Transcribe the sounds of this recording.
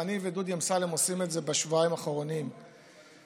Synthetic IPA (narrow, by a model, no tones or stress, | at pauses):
anivedud̪jemsalemo̞simetze̞beʃvuaimaχoʁonim